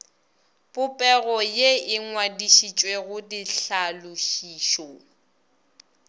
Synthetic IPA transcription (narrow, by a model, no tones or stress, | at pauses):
pʼʊpʼɛɣɔjeɪŋwadiʃit͡ʃʼweɣʊdiɬalʊʃiːʃɔ